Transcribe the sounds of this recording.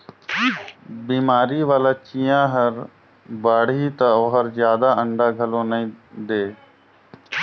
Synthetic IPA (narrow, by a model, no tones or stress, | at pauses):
biːmaːɾiʋaːlat͡ʃijãɦəɾ | baːɽit̪ɐoɦəɾzjaːd̪aə̃ɳɖaɡʱɐlõːnəĩd̪eː